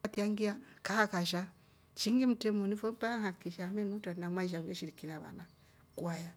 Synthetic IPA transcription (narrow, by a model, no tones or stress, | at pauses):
tiaŋɡiakahakaʃ̬a | t͡ʃiŋɡim̩tɛmɔnifɔm̩paaŋakiʃamɛnutanamaiʃ̬aβɛʃiɾikinaβa̰na | kuaja